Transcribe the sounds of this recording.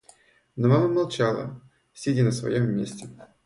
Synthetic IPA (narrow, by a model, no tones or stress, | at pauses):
nomaməmalˠt͡ɕalˠə̰ | sʲedʲinəsvɐ̰jomːʲesʲtʲɪ